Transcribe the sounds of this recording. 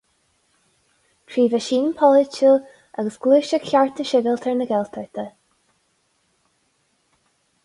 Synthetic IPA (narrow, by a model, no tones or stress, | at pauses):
tʰɹiːvaʃiːnpʰɔlɪt͡ʃul | aɡəsɡ̥luːʃəɡɬaɹt̪ʰəʃɪvɪlˠt̪ʰɛɹnəɡɛlˠt̪ʰəɹt̪ʰə